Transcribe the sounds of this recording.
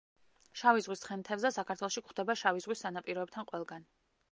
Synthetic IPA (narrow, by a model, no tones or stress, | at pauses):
ʃavizʁwisχɛnt̪ʰɛbzɛsakʰaɾt̪ʰwɛlˠɔʃikχwd̪ɛbaʃavizʁwisːanapʼiɾɔɛb̚t̪ʰanqʼwɛlˠɡan